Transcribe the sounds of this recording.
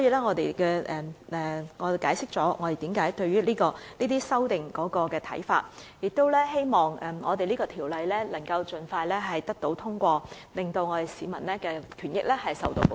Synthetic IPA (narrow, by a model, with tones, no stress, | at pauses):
sɔː˨˥jiː˧lɛː˥ŋɔː˨˧t̪e˨jkɛː˧ʔɛː˨˩ɛ˨ŋɔː˨˧˨kaː˨˥jsɪ˥k̚t͡sɔː˨˥ŋɔː˨˧e˨jt̪i˨˧˥mkaː˨˥jt̪ɵ˧ɥyː˥liː˥kɔː˧niː˥t̪iː˥sɐ˥wt̪ɪ˨ŋkɔː˨˥kɔː˧kɛː˧t̪ʰɐ̰˨˥jfa̰ː˧t̚jɪ˨k̚t̪o˥wlɛː˥ɦe˥jmɔː˨˩ŋɛ˨ŋɔː˨˧t̪e˨jliː˥kɔː˧t̪ʰiː˨˩wlɐ˨jlɛː˥lɐ˨˩ŋkɐ˧wt͡ʃɵ˨nfaː˧jlɛː˥ɦɐ˨jt̪ɐ˥k̚t̪o˨˥wt̪ʰʊ˥ŋkʷɔː˧ | lɪ˨˩ŋt̪o˧wŋɔː˨˧t̪e˨jsiː˨˧mɐ˨˩nlɛː˥kɛː˧kʰyː˨˩njɪ˥k̚lɛː˥hɐ˨jsɐ̰˨wt̪o̰˧w